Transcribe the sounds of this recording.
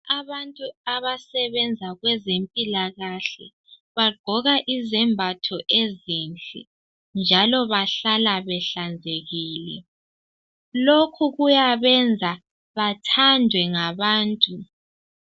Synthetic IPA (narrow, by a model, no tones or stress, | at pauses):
aβantʼuaβasɛβɛnd͡zʱaɣwɛzempʼilaɣaɬɛ̰ | βaɡ͡ǃʱɔɣaʔizɛmbʱatʰɔʔezint͡ɬʼɛ̰ | nd͡ʒʱalɔβaɬalaβɛɬand͡zʱeɣiːlɛ | lokʰuɣujaβɛnd͡zʱa | βatʰandʱwɛŋaβaːntʼu